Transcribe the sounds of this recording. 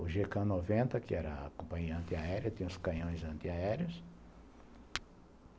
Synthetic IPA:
ʊʒekɐ̃novẽnt̪ɐkɪɛɾɐ̰kõpɐ̃ɲiɐɐ̃nt̪ɪaɛɾiɐt̪ĩɲ̃ɐ̃ʊskɐ̃ɲõj̃zɐ̃nt̪ɪaɛɾjɐs

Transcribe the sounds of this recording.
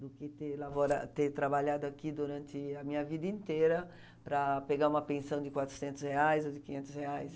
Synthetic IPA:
d̪ʊkɪt̪elavoɾa̰t̪et̪ɾabaʎad̪ʊakid̪uɾɐ̃nt̪ɪamĩɲɐvid̪ɐĩnt̪eɾɐ | pɾɐpeɡaɾũmɐpẽnsɐ̃w̃d̪ɪkwat̪ɾʊ̥sẽnt̪ʊsheajzod̪ɪkĩɲẽnt̪ʊsheajs

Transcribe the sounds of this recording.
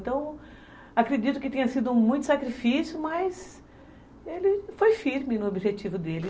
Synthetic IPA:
t̪ɐ̃w̃ | akɾed͡ʒit̪ʊkɪt̪ẽɲ̃ɐsid̪ʊũmũj̃t̪ʊsakɾifisjʊmɐjz | elɪfojfiɾmɪnʊobiʒet͡ʃivʊd̪elɪ

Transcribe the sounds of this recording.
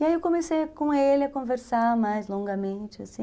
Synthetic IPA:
iaiewkõmesejkõelɪɐkõveɾsaɾmajzlõŋɡɐmẽt͡ʃɪa̰sĩ

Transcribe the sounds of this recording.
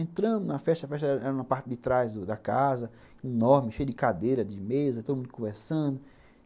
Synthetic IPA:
ẽnt̪ɾɐ̃nd̪ʊnɐfɛʃt̪ɐfɛʃt̪ɐɛɾɛɾũmɐpaɾt͡ʃɪdɪt̪ɾajzd̪ʊd̪ɐkazɐ | inɔɾmɪʃejʊd͡ʒɪkad̪ejɾɐd͡ʒɪmezɐt̪od̪umũd̪ʊkõvɛɾsɐ̃d̪ʊ

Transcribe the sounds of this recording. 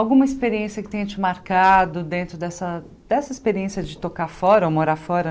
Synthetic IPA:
awɡũmɐispeɾiẽsjɐkɪ̥t̪ẽj̃t͡ʃɪmaɾkad̪ʊd̪ẽnt̪ɾʊd̪ɛsɐ | d̪ɛsɐispeɾiẽsiɐd͡ʒɪt̪okafɔɾɐowmoɾafɔɾɐ

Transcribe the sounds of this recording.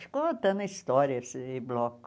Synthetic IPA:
ʃkoːt̪ʲɛnɪst̪oːɾʲɪjɛsɪblˠoːk

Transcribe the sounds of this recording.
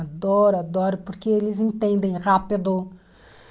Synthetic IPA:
ad̪ɔɾad̪ɔɾpoɾkeelɪzĩt̪ẽnd̪ẽj̃ʁapid̪ʊ

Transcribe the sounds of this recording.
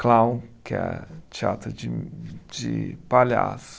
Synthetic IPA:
klãw̃kɛ̰t͡ʃia̰t̪ɾɐd͡ʒɪd͡ʒɪpaʎa̰sʊ̥

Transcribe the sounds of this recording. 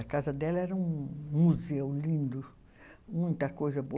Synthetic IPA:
ɐkazɐd̪ɛlɐɛɾɐũmuzewlĩnd̪ʊ | mũj̃t̪ɐkojzɐbo

